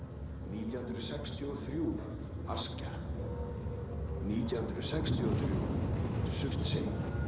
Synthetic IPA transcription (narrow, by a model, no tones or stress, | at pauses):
niːt̪jahnt̪ɾʏsɛkst̪ʰiɔθɾjuː | a̰sca | niːt̪jahnt̪ɾʏsɛkst̪ʰiɔθɾjṵsʏht̪seːn